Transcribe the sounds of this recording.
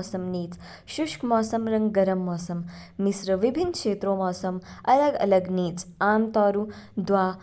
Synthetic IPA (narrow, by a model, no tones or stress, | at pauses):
sɐmniːt͡s | ʃuʂkmɔːsɐmɾɐŋɡɡɐɾɐmːɔːsɐmːisɾɐʋibʱinːkʂeːt̪ɾoːmɔːsɐmɐlɐɡɐ̰lɐɡniːt͡saːmt̪ɔːɾud̪ʋaː